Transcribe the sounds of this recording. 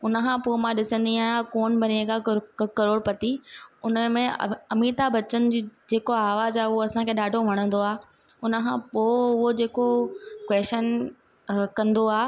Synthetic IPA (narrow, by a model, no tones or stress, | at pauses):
ʊnə̆kʰãːpoːmãːɗɪsə̃nd̪iaːjãkoːnbʱɐneɡakɐɾoːɽpɐt̪iʊnəmẽɐmiːt̪abɐt͡ɕənɪ̆d͡ʑiːd͡ʑeːkoaːʋaːzaːʊɦoɐsãkʰeːɗaːɖʱoʋ̤ɐɽ̃ə̃n̆d̪oaː | ʊnə̆kʰãːpoːʊɦod͡ʑeːkokwɛːʃən | kɐ̃nd̪oaː